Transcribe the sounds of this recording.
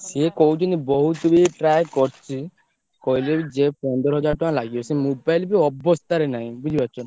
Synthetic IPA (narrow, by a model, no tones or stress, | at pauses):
sekɔɦut͡ʃʰinibɔɦut̪ɔbiʈɾajkɔɾt͡ʃʰi | kɔɦilebid͡ʒepɔnd̪ɔɾɦɔd͡ʒaɾʈɔãlaɡiɔsimubajlbiɔbɔst̪aɾenaɦĩbid͡ʒibatːɔ